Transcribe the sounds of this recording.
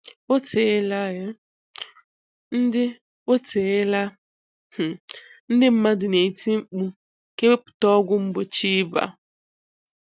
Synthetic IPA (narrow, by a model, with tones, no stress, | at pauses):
o˦tʰe˨ɪ˦la˦ɣa˦ | n̩˦dɪ˦ | o˦tʰe˨ɪ˦la˦ | h̩˨n̩˦dɪ˦m̩˦ma˦dʊ˨ne˨i˨ti˦ŋ͡m̩˦k͡pu˦ | ke˦we˦pʊ̥˨tɔ˦ɔ˦ɡʷʊ˦ŋ͡m̩˦bʊ˨t͡ʃi˦ba̰˨